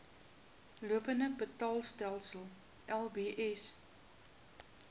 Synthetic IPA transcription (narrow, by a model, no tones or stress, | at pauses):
luəpəndəbətɑːlˠstælˠsəlˠ | ʔɛlˠbeʔɛs